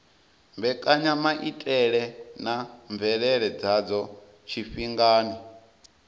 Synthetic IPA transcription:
mbɛkʼaɲamaʔitʼɛɺɛnaɱvɛɺɛɺɛd͡zad͡zɔ | t͡ʃʰiɸiŋɡaːni

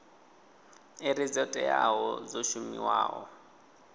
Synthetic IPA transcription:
ɪɾid͡zɔtʼɛjaɦɔzoʃumiwaːʔɔ

